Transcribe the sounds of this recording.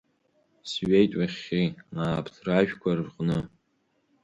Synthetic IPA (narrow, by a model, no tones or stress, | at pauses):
sɥejtʼwaχʲiaːpʰtʰraʒᶣkʷʰarrqʼnɨ